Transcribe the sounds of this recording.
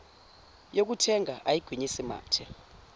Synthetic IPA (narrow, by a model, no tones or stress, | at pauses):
jok̬utʰɛŋʱaʔajiɡ̥ʱwiɲisima̰ːtʰɛ